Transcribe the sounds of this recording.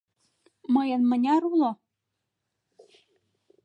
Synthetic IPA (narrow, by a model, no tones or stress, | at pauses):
mɤjɤ̆nmə̆nʲɑɾulo